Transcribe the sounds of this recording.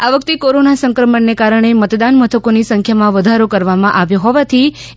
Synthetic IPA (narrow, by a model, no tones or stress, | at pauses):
aʋəkt̪ikoɾonasəŋkɾəməɳːekaɾəɳ̃emət̪d̪anmət̪ʰəkonisə̃ŋkʰjamãʋəd̪ʱaɾokəɾʋamãʔaʋjoɦɔʋat̪ʰi